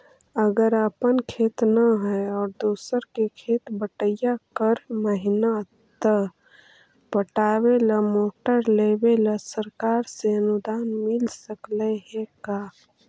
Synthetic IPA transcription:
əɡəɾəpənkʰeːt̪naɦɛɔːɾd̪uːsəɾkekʰeːt̪bəʈəjakəɾməɦɪna | t̪ə | pəʈaːweləmoːʈəɾlebeləsəɾkaːɾseənud̪aːnmɪlsəklɛɦɛ̃kaː

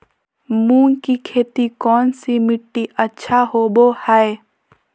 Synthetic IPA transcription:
mũːŋkikʰeːt̪ikɔːnsimɪʈːiʔətːʃʰaɦoːbohae

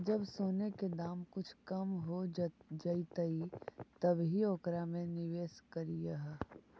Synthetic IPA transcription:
d͡ʒɐbsoːneked̪aːmkʊt͡ʃʰkɐmɦod͡ʒɐit̪əit̪ɐbɦioːkɾamẽnɪʋeːskɐɾijaɦɛ

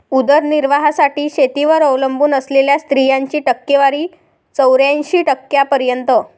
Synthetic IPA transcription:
ud̪əɾniɾʋaɦasaʈiːɕet̪iʋəɾəwləmbuːnəsleljast̪ɾijaɲt͡ɕiːʈəkːeʋaɾiː | t͡səwɾjãnɕiːʈəkːjapəɾjənt̪ə

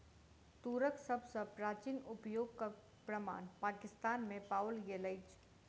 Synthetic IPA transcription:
t̪uːɾəksɐbsəpɾaːt͡ʃinʊpjoːɡka | pɾəma̰ːnpaːkɪst̪aːnmẽpaːwlɡeləɪt͡ʃ

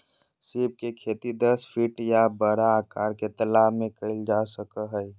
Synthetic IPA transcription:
sib̚kekʰeːt̪id̪əspʰiʈjabəɽaːkaːɾket̪əlaːmẽkəld͡ʒasəkəɦəj

